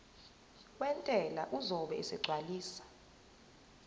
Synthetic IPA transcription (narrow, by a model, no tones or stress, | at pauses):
wɛntʼɛlaʔuzɔɓɛɛsɛɡ͡ǀʱwaliːsḁ